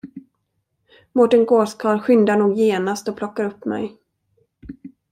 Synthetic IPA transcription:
mɔʈənɡoːskʰɑːlɧʏnd̪aɳuːɡjeːnast̪ɔpʰlɔkːaɾɵpːmɛ̰j

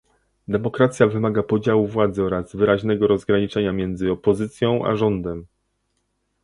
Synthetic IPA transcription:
d̪ɛmɔkɾat̪sʲjavɘmaɡapɔd͡ʑawuvwad̪zɘɔɾazvɘɾaʑnɛɡɔɾɔzɡɾaɲit͡ʂɛɲamʲjɛnd̪zɘɔpɔzɘt̪sʲjɔ̃w̃ʔa̰ʐɔnd̪ɛm

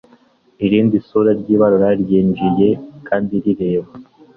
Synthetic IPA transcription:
iɾiːndisuɾaɾɟiːβaɾoɾaɾɟiːɲd͡ʒije̞kʰaːndiɾiɾe̞ːβa

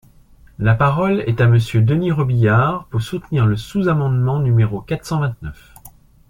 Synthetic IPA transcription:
lapaʁɔlɛ̰t̪aməsjød̪əniʁɔbijaʁpuʁsut̪niʁləsuzamɑ̃d̪mɑ̃nymeʁokat̪χsɑ̃vɛ̃t̪nœf

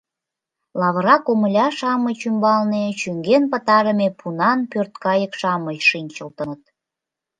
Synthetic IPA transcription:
lɑβə̆ɾɑkoməlʲɑʃɑməjt͡ɕymbɑlnet͡ɕyŋɡenpət̪ɑɾəmepʰunɑnpørt̪kɑjəkʃɑməjʃinʲt͡ɕəlt̪ənət̪̚

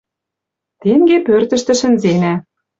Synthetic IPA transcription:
t̪eŋɡepørt̪ə̆ʃt̪ɘ̆ʃɘ̆nzenæ

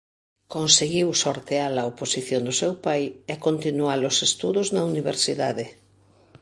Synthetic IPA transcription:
konseɣiwsoɾt̪ealɐoposiθjond̪ʊsewpajɛkont̪inualosest̪uðʊznɐuniβeɾsiðaðɪ

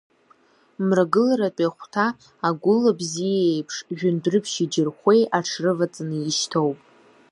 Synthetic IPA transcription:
mraɡɨlaɾatʼaχʷtʰaː | ɡʷʊlabzijaejpʰʂʒᶣʊndrɨpʰʃid͡ʒɪrχʷe̞jʔaʈ͡ʂʰrɨvat͡sʼanɨiʃtʰowpʼ

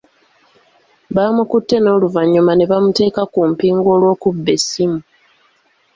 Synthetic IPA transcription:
baːmukutːe̞no̞ːluvaɲːumane̞βamute̞ːkakumpiːŋɡo̞ːlwo̞ːkubːe̞simu

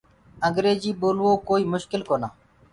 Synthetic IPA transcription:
əŋɡɾeːd͡ʒiːboːlʋoːkoːiːmʊʃkɪlkoːnaː

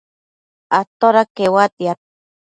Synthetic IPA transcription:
at̪oɾakewat̪iat̪̚

